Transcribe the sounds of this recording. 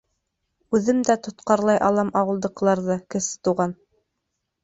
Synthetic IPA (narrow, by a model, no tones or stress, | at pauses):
ʉðɘmd̪æt̪ŏt̪qɑɾlˠɑjʔɑlˠɑmɑwɤ̆lˠd̪ɤ̆qlˠɑɾðɤkɘ̆sɘ̥t̪uʁɑn